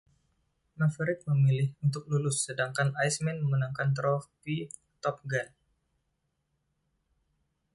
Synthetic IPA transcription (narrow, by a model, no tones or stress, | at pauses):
mafɾɪt̪̚məmilɪhunt̪ʊk̚lulʊsːədaŋkanajsmɛnməmunaŋkant̪ɾɔfpi | t̪ɔp̚ɡan